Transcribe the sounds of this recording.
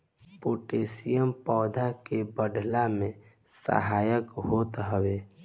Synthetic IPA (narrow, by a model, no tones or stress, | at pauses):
poːʈeːsijəmpɔːd̪ʱakebəɖʱlamẽ | sə̰ɦaːjəkɦoːt̪ɦəweː